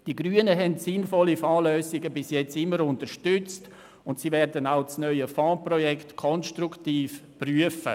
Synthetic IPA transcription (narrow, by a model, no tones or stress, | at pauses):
d̥iɡɾyːənəɦɛntsɪnfɔlifaːløːsɪɡəbɪsjɛt͡sɪmːəɾʊntəɾʃtʏt͡st | ʊntsivɛɾdənaʊt͡snœʏəfãːprɔjɛktkʰɔnʃtɾuktiːfpryəfə̰